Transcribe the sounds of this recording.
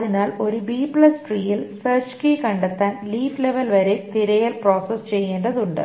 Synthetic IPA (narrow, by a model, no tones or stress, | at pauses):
ðinaːlo̞ɾubiːpɭɐsʈriːjilsɐrt͡ɕkikɐɳɖet̪ːaːnliːfleʋɐlʋɐɾet̪iɾɐjɐlpro̞ːsɐst͡ɕe̞jːeːnɖɐðuɳɖɨ̰